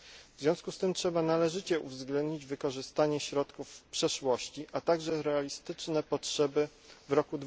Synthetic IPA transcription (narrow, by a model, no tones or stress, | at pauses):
vzʲjɔ̃w̃skust̪ɘmtʂɛbanalɛʐɘt͡ɕɛʔṵvzɡlɛ̃nd̪ɲid͡ʑvɘkɔʐɘst̪aɲɛɕɾɔt̪kufpʂɛʂwɔɕt͡ɕiʔat̪aɡʐɛɾɛalʲist̪ɘt͡ʂnɛpɔtʂɛbɘ | vɾɔkud̪